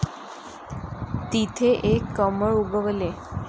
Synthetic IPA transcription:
t̪it̪ʰeʔekːəməɭubəʋəle

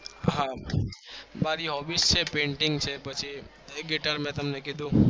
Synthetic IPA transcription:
ɦã | baːɾiɦɔbist͡ʃʰepẽːɳʈɪ̃ŋɡt͡ʃʰebɐt͡ʃʰi | ɡeʈəɾmẽt̪ɐmnekid̪ũ

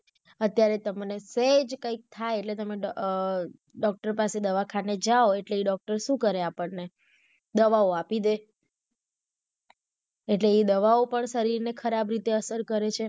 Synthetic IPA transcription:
ət̪jaɾet̪əmnesed͡ʒkəik̚t̪ʰajeʈlet̪əme | ɖɔk̚ʈəɾpased̪əʋakʰaned͡ʒaoeʈleiɖɔk̚ʈəɾʃũkəɾeapəɳne | d̪əʋaoapid̪e | eʈleːd̪əʋaopəɳʃəɾiɾnekʰəɾabɾit̪eəsəɾkəɾet͡ʃʰe

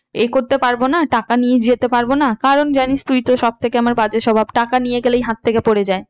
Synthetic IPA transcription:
ekoɾt̪epaɾbonaʈakanijed͡ʑiet̪epaɾbonakaɾond͡ʑanist̪ɾuit̪oʃɔb̚t̪ʰekeamaɾbad͡ʑeʃɔbʱabʈakanijeɡelejɦat̪ʰːekepoɽed͡ʑae

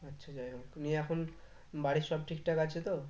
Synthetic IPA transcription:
ətːʃʰad͡ʒajɦoknieɛkʰon | baɽisɔb̚ʈʰik̚ʈakat͡ʃʰet̪o

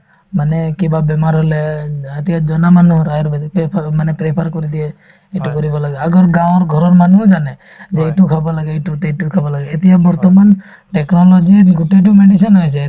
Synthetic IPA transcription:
manekibabɛmaɾɦoleet̪ijad͡ʒɔnamanuɾajɔɾbad̪ipepʰmanepɾepʰaɾkɔɾid̪ie | eʈukɔɾibɔlaɡɛaɡɔɾɡãw̃ɾɡʱɔɾɔɾmanud͡ʒane | d͡ʒeːʈukʰabalaɡɛʈut̪eʈukʰabalaɡeːt̪ijabɔɾt̪ɔman | ʈeknɔlɔd͡ʒiɡuʈeʈ̬umeɖisɔnɦɔjt͡ʃʰɛ

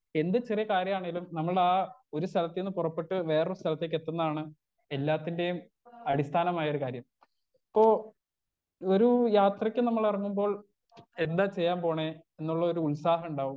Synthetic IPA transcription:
e̞nd̪ɨt͡ɕirijɐkaːɾjɐmaːɳeŋɡilumnɐmːɐɭaːo̞ɾust̪ʰɐlɐt̪ːenːɨpurɐpːeʈːɨʋe̞ːrust̪ʰɐlɐt̪ːek̬ːet̪ːunːɐðaːɳɨ | e̞lːaːt̪ːinde̞jum | ɐɽist̪ʰaːnɐmaːjɐo̞ɾukaːɾjɐm | ipːo̞ː | oɾujaːt̪rɐkʲːɨnɐmːɐɭɐrɐŋːumbo̞ːɭ | e̞nd̪aːt͡ɕe̞jːaːmpo̞ːɳe | enːuɭːɐoɾuːɭsaːɦɐuɳɖaːʋu

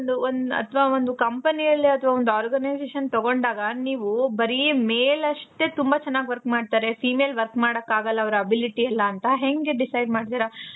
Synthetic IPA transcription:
ond̪uond̪ɐ̰t̪ʰʋaːond̪ukɐmpɐnijɐlːiɐt̪ʰɐʋaːond̪uaːɾɡɐnɐjd͡ʒeːʃɐnt̪ɐɡo̞ɳɖaːɡɐniːʋubɐɾimeːlɐʂʈe̞t̪umbat͡ʃɛnːaːɡʋɐɾkmaːɖt̪aːɾe̞pʰiːmeːlʋɐɾkmaːɽɐkːaːɡɐlːɐːʋɐɾuɐbiliʈiɐlːɐːnt̪ɐɦe̞ŋɡe̞ɖisɐjɖmaːɖt̪iːɾɐ

